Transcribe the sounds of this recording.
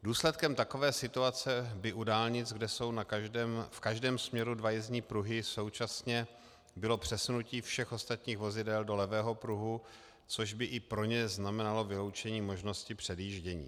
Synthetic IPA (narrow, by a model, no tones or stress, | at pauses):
duːslɛt̪̚kɛmt̪ako̞vɛːsɪt̪uat͡sɛbɪʔudaːlɲɪt͡sɡdɛso̞wnakːmfkaʒdɛːmsmɲɛɾudvajɛzɲiːpɾuɦɪso̞wt͡ʃasɲɛ | bɪlo̞pr̝̥ɛsunuciːfʃɛxʔo̞st̪at̪ɲiːxvo̞zɪdɛldo̞lɛvɛːɦo̞pɾuɦu | t͡so̞ʒbɪʔɪpɾo̞ɲɛznamɛnalo̞vɪlo̞wt͡ʃɛɲiːmo̞ʒno̞scɪpr̥ɛdjiʒɟɛɲḭː